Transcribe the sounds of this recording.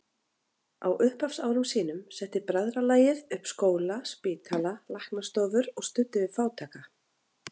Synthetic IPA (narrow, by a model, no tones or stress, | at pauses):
a̰wʔʏhpafsaːwɾʏmsiːnʏmsɛht̪ːɪpɾaðɾalaːjɪðʏhpskoːwlaspiːt̪ʰalalahknast̪oːvʏɾɔɣst̪ʏt̪ːɪvɪðfaːwt̪ʰaːka